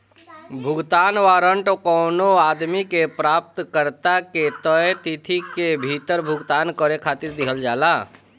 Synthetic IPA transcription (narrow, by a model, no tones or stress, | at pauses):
bʱʊɡt̪aːnʋaːɾəɳʈokɔːnoaːd̪mikepɾaːp̚t̪kəɾt̪aket̪ət̪it̪ʰikebʱit̪əɾbʱʊɡt̪aːnkəɾekʰaːt̪ɪɾd̪ɪkʰəld͡ʒaːlaː